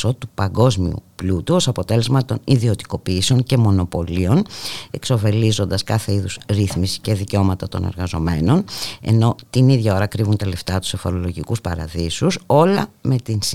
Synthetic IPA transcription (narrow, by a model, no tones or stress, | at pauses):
ot̪upɐŋɡo̞zmiṵplut̪uosɐpo̞t̪e̞le̞zmɐt̪o̞niðio̞t̪i̥ko̞piːseo̞ŋce̞mo̞no̞po̞lio̞ne̞kso̞fe̞lizo̞nd̪ɐskɐθe̞iðusɾiθmisi̥ce̞ðiceo̞mɐt̪ɐt̪o̞̰neɾɣɐzo̞me̞no̞ne̞̰no̞t̪iniðʝɐo̞ɾɐkɾivunt̪ɐle̞ft̪ɐt̪u̥sefo̞ɾo̞lo̞ʝikuspɐ̰ɾɐ̰ðisuso̞lɐme̞t̪ins